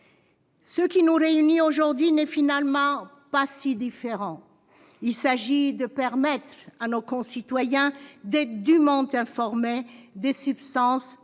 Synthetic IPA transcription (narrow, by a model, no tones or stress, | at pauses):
səkʲinuʁeynioʒuʁd̪ɥinɛfinalmɑ̃ | pasid̪ifeʁɑ̃ | ilsaʒid̪əpɛʁmɛt̪χanokɔ̃sit̪wajɛ̃d̪ɛt̪d̪ymɑ̃t̪ɛ̃fɔʁmed̪esypst̪ɑ̃s